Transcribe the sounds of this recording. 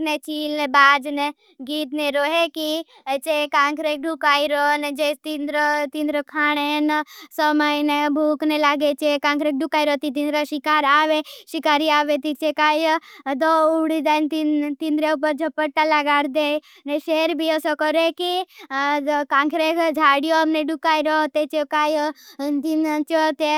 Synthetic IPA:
net͡ʃiːlnebaːd͡ʒne | ɡiːt̪neɾoːɦeki | t͡ʃekãːŋkʰɾek̚ɖukaːiɾɔned͡ʒet̪ind̪ɾt̪ind̪ɾəkʰaːɽ̃ensəməinebʱuːknelaːɡet͡ʃekãːŋkʰɾek̚ɖukaːiɾɔt̪it̪ind̪ɾaʃikaːɾaːʋeʃikaːɾiaːʋet̪it͡ʃekaːjd̪ouɽid̪ant̪it̪ind̪ɾeubəd͡ʒʱɔpəʈːalaɡaːɾd̪e | neʃeːɾbʱiəsɔkɔɾeki | kãŋkʰɾekd͡ʒʱaːɽijomneɖukaːiɾot̪et͡ʃekaːjt̪int͡ʃɔt̪e

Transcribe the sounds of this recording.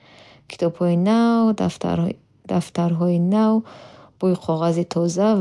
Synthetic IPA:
kʰi̥t̪ʰɔbhɔinaw̰ | d̪aft̪aɾɦɔinawb̥ujiqʰɔʁazit̪ʰɔza

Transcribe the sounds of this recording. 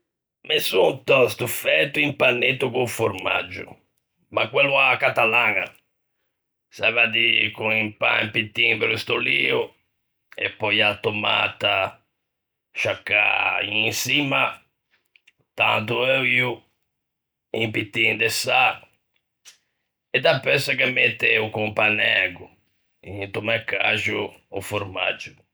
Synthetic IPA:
mesut̪ɔst̪ufɛt̪ːuimpanːet̪ːukufoɾma̰d͡ʒːṵ | makwɛlːuakːat̪alaːŋa̰ | savad̪ikunimpa̰ḭmpit̪ːiŋpeɾust̪oliːu | ɛ̰pːɔjat̪oma̰t̪a | ʃakːa̰ĩisima | t̪ã̰nt̪uɛwju | ĩmpit̪ːĩŋd̪esa | ɛd̪apɛsakɛmet̪ːeukũpanɛɡu | ĩnt̪umɛkaʒṵː | fuɾma̰d͡ʒu

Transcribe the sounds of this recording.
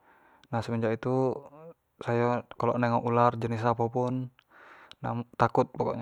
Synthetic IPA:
nahsəməɲd͡ʒaʔit̪u | sajakalɔʔnɛŋɔʔulard͡ʒənis̬aːpapunː | at̪ːakut̪̚bɔkɔʔɲ

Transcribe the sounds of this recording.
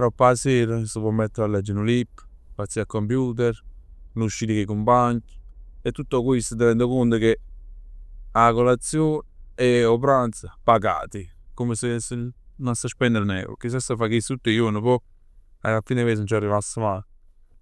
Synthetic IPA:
ɾopːaseːɾəsəpɔmːɛt̪ːeɾalɛd͡ʒənulipː | pat̪siakːompjuːt̪̬ɛɾ | nuʃːiːt̪ikekompaɲet̪ːut̪ːokwist̪ət̪̬eɾɛnd̪okunt̪əke | akolat̪sːjoːneop̬ɾant̪sapaɡa̰ːt̪ikomesesenonsaʃpɛnd̪əɾnɛ̰ːɾo̰kis̬asafakisut̪ːejonəpɔ | a̰afiːneves̬ənt͡ʃarːivasːəma

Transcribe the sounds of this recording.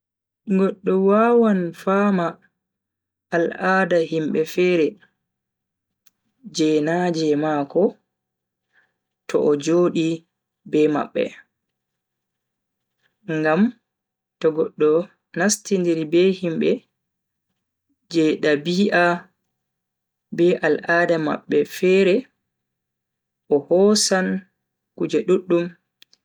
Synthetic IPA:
ɡɔɗːɔwaːwanfama | lʔaːdaɦimbɛfɛːɾɛ | d͡ʒɛnad͡ʒɛmaːkɔ | tʰɔ̰ʔɔd͡ʒoːɗi | bɛma̰ɓːɛ̰ | ŋɡam | tɔɡɔɗːɔ | nastindiɾibɛhimbɛ | d͡ʒɛɗabiːʔa | bɛʔalʔaːdama̰ɓːɛfɛɾɛ | ʔɔhɔsan | kud͡ʒɛɗuɗːum

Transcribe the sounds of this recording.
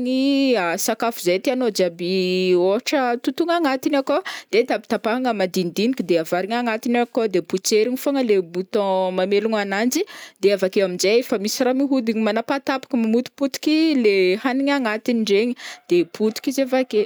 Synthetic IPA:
ŋiasakafuzejt̪eanod͡ʒabioaʈ͡ʂət̪ut̪uŋaŋat̪inakod̪̥et̪abi̥t̪apaaŋəmad̪ind̪inikid̪eavaɾiŋaŋat̪inakod̪eput͡seɾiɲifoŋəlemut̪ɔ̃mameluŋanand͡ʒid̪eavakeaminzeefəmisiramiɦud̪iɲimanapat̪apḁkəmamut̪u̥put̪u̥kilehaniɲaŋat̪iniɳɖ͡ʐeɲid̪̥epʰut̪u̥kʲizevake

